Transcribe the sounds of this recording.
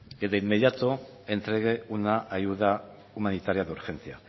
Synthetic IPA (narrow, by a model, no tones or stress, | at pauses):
et̪aimːe̞ðijat̪o | e̞nt̪ɾe̞ɣe̞unaʔajuða | umanit̪aɾiaðuɾxe̞nt͡sia